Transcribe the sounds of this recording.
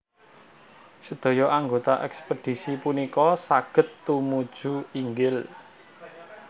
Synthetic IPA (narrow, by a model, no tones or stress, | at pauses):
səd̪̥o̤jɔʔaŋɡot̪aʔɛkspəd̪̥i̤sipunikɔsaɡ̥ə̤t̪ːumud̥ʒ̥ṳiŋɡɪl